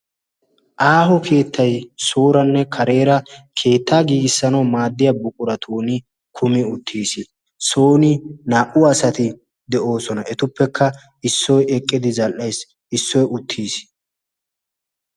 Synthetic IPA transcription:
ʔaːɦɔkʰe̞ːt̪ːɐjsoːɾɐnːɛkʰɐɾe̞ːɾɐkʰe̞ːt̪ʰːaːɡiːɡɪsːɐnɐwmaːd̪ːɪjɐbʊkʼʊɾɐt̪ʰoːnɪ | kʰʊmɪʊt̪ʰːiːsɪ | soːnɪnaːʔʊɐsɐt̪ɪ | d̪ɛʔo̞ːsɔnɐɛt̪ʊpːɛkʰːɐ | ɪsːɔjɛkʼːɪd̪ɪzɐlʔejs | ɪsːɔjʊt̪ʰːiːs

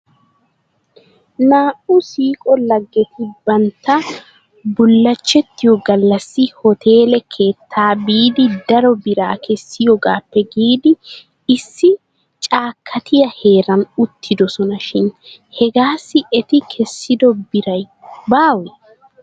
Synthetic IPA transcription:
naːʔʊsiːkʼɔlɐɡːɛt̪ʰɪbɐnt̪ːɐ | bʊlːɐt͡ʃːɛt̪ːɪjɔɡɐlːɐsːɪhɔt̪ʰe̞ːlɛkʰeːt̪ːaːbiːd̪ɪd̪ɐɾɔbɪɾaːkʰɛsːɪjɔɡaːpːɛɡiːd̪ɪ | ɪsːɪ | t͡ʃʼaːkʰːɐt̪ʰɪjɐhe̞ːɾɐnʊt̪ʰːɪd̪ɔsɔnɐʃɪnhɛɡaːsːɪʔɛt̪ɪkʰɛsːɪd̪ɔbɪɾɐj | baːwɛ

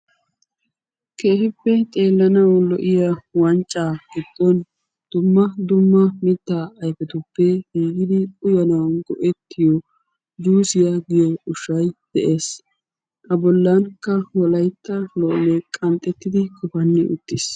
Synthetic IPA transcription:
ke̞ːhɪpːɛt̪ʼe̞ːlːɐnɐwlɔʔɪjawɐnt͡ʃʼːaːɡ̥ɪd̪̥ːɔn | d̪̥ʊmːɐd̪ʊmːɐmɪt̪ːaːɐjfɛt̪ʊpːɛɡiːɡɪd̪ɪʊjɐnɐwɐnɡɔʔɛt̪ːɪjɔ | d͡ʒuːsɪjaɡɪjɔʊʃɐjd̪̥ɛʔe̞ːs | ʔɐbɔlːɐnkːɐwɔlɐjt̪ːɐlɔʔlɛkʼɐnt̪ʼːɛt̪ːɪd̪ɪkʰɔfɐnːɪʔʊ̰t̪ːɪs

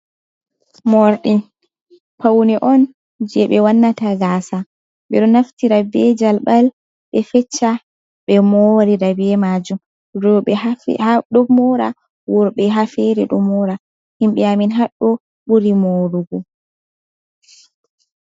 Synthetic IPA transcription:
mɔɾɗin | pawnɛʔɔn | d͡ʒɛɓɛwanːataɡasa | ɓɛɗɔnaftiɾabɛd͡ʒalɓal | ɓɛfɛt͡ʃːa | ɓɛmɔɾidabɛmad͡ʒum | ɾɔɛ̰ | ɗɔmɔɾa | wɔɾɓɛɦafɛɾɛɗɔmɔɾa | himɓɛaminɦaɗːɔ | ɓuɾimoɾuɡɔ

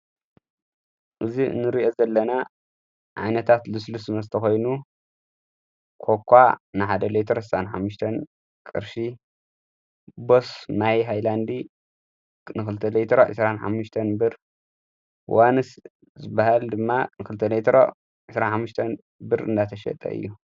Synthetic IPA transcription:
ʔɨzḭnːɨɾiʔo̞zɐlːɐna | ʕa̰jnɐt̪ʰat̪lɨslusɨnɐsɨt̪ʰɐxo̞jnu | kʰokʷʰːanɨħad̪ɐlet̪ʰɾosɨsanħa̰mːʊʃt̪ʰɐn | kʼɨ̰ɾʃi | bosnajɦajland̪i | nɨxɨlɨt̪ʰːɐlet̪ʰɾoʕɨ̰sɾanħa̰mːuʃt̪ʰɐnbɨɾ | wanɨs | zɨbahald̪ɨmːanɨkɨlɨt̪ʰɐlejt̪ʰɾo̰ | ʕɨsɾanħamːuʃt̪ʰɐn | bɨɾɨ̰nd̪at̪ʰɐʃɐ̰t̪ʼɐ̰ʔɨ̰jːu

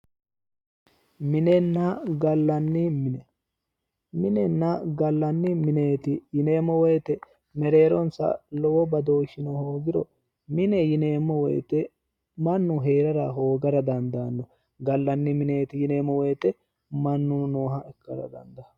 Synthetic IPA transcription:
mɪnɛnːɐɡɐlːɐnːɪmɪnɛ | mɪnɛnːɐɡɐlːɐnːɪmɪne̞ːt̪ɪjɪneːmːɔwɛjt̪ɛ | mɛɾeːɾɔnsɐ̰lɔwɔbɐd̪o̞ːʃɪnɔhoːɡɪɾɔ̰ | mɪnɛjɪneːmːɔwɛ̰jt̪ɛ | mɐnːʊɦe̞ːɾɐɾɐɦoːɡɐɾɐd̪ɐnd̪ɐnːɔ | ɡɐlːɐnːɪmɪneːt̪ɪjɪneːmːɔwɛjt̪ɛ | mɐnːʊnoːɦɐɛkːɐɾɐ̰d̪ɐ̰nd̪ɐ

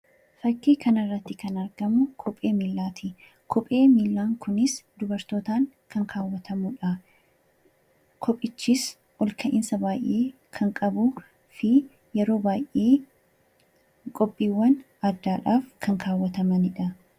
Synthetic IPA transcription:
fɐkːiːkɐnɐrːɐt̪ːɪkɐnɐɾɡ̥ɐmʊkʰɔpʼeːmiːlːaːt̪ʰɪ | kʰɔpʼe̞ːmiːlːaːŋkʊnɪsd̪ʊbɐɾt̪o̞ːt̪aːŋ | kɐŋkʰaːwːɐt̪ʰɐmʊᶑɐ | kʰɔpʼːɪt͡ʃːiːs | ʔɔlkʰɐʔɪnsɐbaːjʔːe̞ː | kʰɐŋkʼɐbʊ | fɪ | jɛɾo̞ːbaːjʔʔeː | kʼɔpʼːiːwːɐn | ɐd̪aːᶑaːfkʰɐŋkʰaːwːɐt̪ɐmɐnɪᶑɐ

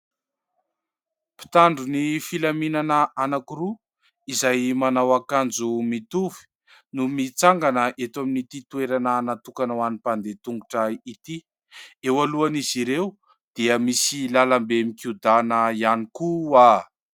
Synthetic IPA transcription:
pi̥t̪aɳɖ͡ʐunifilaminanəanakuɾu | izajmanawakand͡zumit̪uvi̥ | numit͡saŋɡanəʔet̪aminit̪it̪ueɾananat̪ukanwanipand̪et̪uŋɡuʈ͡ʂait̪i | ewaluaniziɾew | d̪̥iəmisilalambemikud̪anəianikua

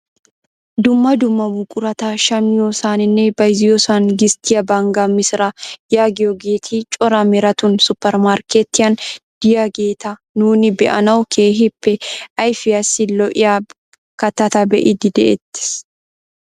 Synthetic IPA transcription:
d̪ʊmːɐd̪ʊmːɐmʊkʼʊɾɐt̪aːʃɐmjoːsaːnɪnːɛbɐjzɪjɔsaːnɡɪst̪ɪjɐbaŋɡamɪsɪɾɐjaːɡɪjɔɡeːt̪ʰiːt͡ʃʼɔɾɐmɛɾɐt̪ʊnsʊpːɛɾmaːɾkɛt̪ːɪjɐnd̪̥ɪjɐɡe̞ːt̪ɐ | nuːnɪbɛʔɐnɐwkʰeːɦɪpːɛʔɐjfɪjɐsːɪlɔʔɪja | kɐt̪ɐt̪ɐbɛʔɪd̪ɪd̪ɛʔḛt̪ːɪ̥s

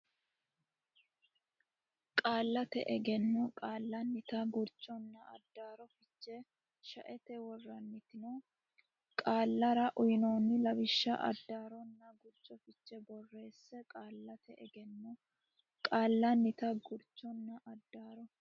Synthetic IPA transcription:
kʼaːlːɐt̪ɛ̰ʔɛɡɛnːɔkʼaːlːɐnːɪt̪ɐɡʊɾt͡ʃʼɔnːɐɐ̰d̪ːaːɾɔfɪt͡ʃːɛ | ʃɐʔɛt̪ɛwɔrːɐnːɪt̪ɪno | kʼaːlːɐɾɐʔʊjɪnoːnːɪlɐbɪʃːɐ̰ʔɐ̰d̪ːaːɾɔnːɐɡʊɾt͡ʃʼːɔfɪt͡ʃːɛbɔrːe̞ːsːɛkʼaːlːɐt̪ɛʔɛɡɛnːɔ | kʼaːlːɐnːɪt̪ɐɡʊɾt͡ʃʼːɔnːɐʔɐd̪ːaːɾɔ

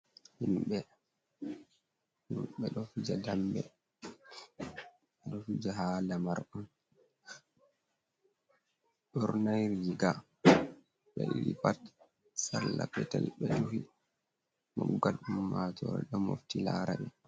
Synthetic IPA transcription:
himɓɛ | humɓɛɗɔfid͡ʒadambɛ | ɗɔfid͡ʒaɦalamaɾʔɔn | ɗɔɾnajɾid͡ʒiɡa | ɓɛʔiɾipat | salːapɛtɛlɓɛɗuhi | mɔɡalumːatɔɾɛ̰ɗɔmoftilaɾaɓɛ

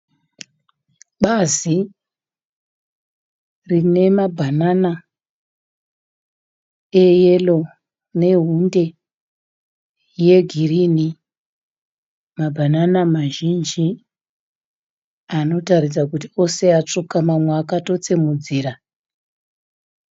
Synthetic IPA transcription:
ɓazi | rine̞mabʱanana | eje̞lo̞ | ne̞ɦunde̞ | je̞ɡʱirini | mabʱananamaʒind͡ʒi | ano̞taɾid͡zakutio̞se̞at͡ʂukamamweakato̞t͡se̞mud͡ziːɾa

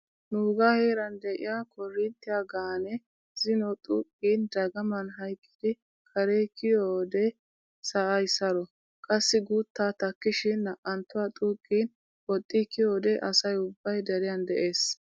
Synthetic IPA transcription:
nuːɡaːheːɾɐnd̪ɛʔɪ̰jaːkʰɔrːɪnt̪ːɪjaɡaːnɛ | z̥ɪnɔt̪ʼuːkʼːiːnd̪ɐɡɐmɐnɦɐjkʼːɪ̥d̪ɪ | kʰɐɾekɪjoːd̪ɛ | sɐʔɐjsɐɾɔ | kʼɐsːɪɡuːt̪ːaːt̪ɐkːɪʃɪnːɐʔɐnt̪ːʊwaːt̪ʼuːkʼːiːn | wɔt̪ʼːiːkɪjoːd̪ɛʔɐsɐjʊbːɐjd̪ɛɾɪjɐnd̪ɛʔe̞ːs

